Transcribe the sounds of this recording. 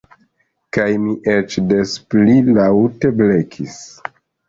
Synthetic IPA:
kajmiʔet͡ʃdesplilawte̞ble̞kʰis

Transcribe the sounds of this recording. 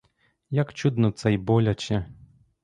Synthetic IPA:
jakt͡ɕud̪nɔt̪t͡s̪ajbolʲat͡ɕɛ

